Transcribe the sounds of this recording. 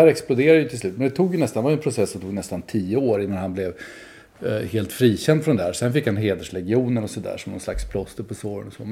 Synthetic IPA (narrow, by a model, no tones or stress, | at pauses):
æːɾɛksplʊd̪eːɾad̪jʏt̪ɪslʉ̟ːt̪mɛnd̪ɛt̪ʰuːɡjənɛst̪anvajɛnpʰɾʊsɛsːɔmt̪ʰuːɡnɛst̪ant̪ʰiːəoːɾɪnːanhanblɛv | heːlt̪fɾiːɕɛnd̪fɾɔnd̪æːɾsɛnfɪkːhanɦeːd̪əʂlɛɡɪuːnənɔsɔd̪æ̰ːʂɔmnɔ̰nsla̰kspʰlɔst̪əpʰɔsoːɾə̰nɔsɔ̰